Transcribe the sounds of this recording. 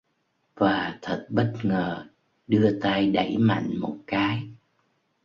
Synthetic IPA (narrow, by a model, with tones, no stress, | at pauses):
vaː˨˩t̪ʰə˨˩t̚ɓə˦˥t̚ŋəː˨˩ | ɗɨ˧ət̪a˧jɗa̰˧˩jma̰˧˨jŋ̟mo˨˩t̚kaː˨˦j